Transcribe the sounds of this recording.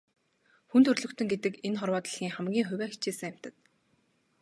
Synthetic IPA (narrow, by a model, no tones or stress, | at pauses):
xunt̪ʰɵrɮɵ̆kt̪ɵ̆ŋɡet̪ɘ̆kenχɔrwɔːt̪ə̆ɮɣʲiːŋχamɡʲiːŋxʊwʲæːkt͡ɕʰiːsɘ̆ŋjam̥ʲt̪ə̆t̪̚